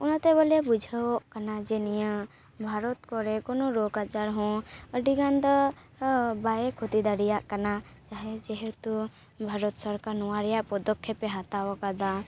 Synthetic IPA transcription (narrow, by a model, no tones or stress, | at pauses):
ɔnat̪ɛβəlabud͡ʒʱəwɔʔkanad͡ʒɛnijə | bʱaɾɔt̪kɔɾɛkɔnɔɾɔkat͡ʃaɾɦɔ̃əɖiɡand̪ɔ | bajɛkʰut̪id̪aɾijaʔkana | t͡ʃaɦɛd͡ʒɛɦɛt̪u | bʱaɾɔt̪sɔɾkaɾnɔwaɾɛjaʔpɔd̪ɔkʰːɛpɛɦat̪awɔkad̪a